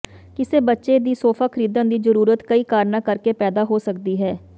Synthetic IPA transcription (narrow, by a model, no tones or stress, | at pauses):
kɪseːbətːʃeːd̪iːsoːpʰaːkʰəɾiːd̪ənd̪iːzəɾuːɾət̪kəiːkaːɾnaːkəɾkeːpɛːd̪aːɦoːsək̚d̪iːɦɛː